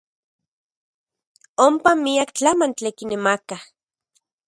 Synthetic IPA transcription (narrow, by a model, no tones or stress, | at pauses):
ompamiakt͡ɬamant͡ɬekinemaka